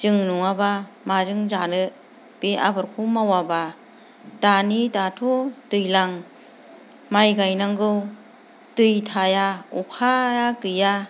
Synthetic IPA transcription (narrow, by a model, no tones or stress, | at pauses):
d͡ʒɯŋnuŋabamazɯŋzanɯ | b̥eʔa̰bɯɾkʰumawaba | tanitatʰotɯjlaŋ | majɡajnaŋɡɯw | tɯjtʰajaukʰajakɯja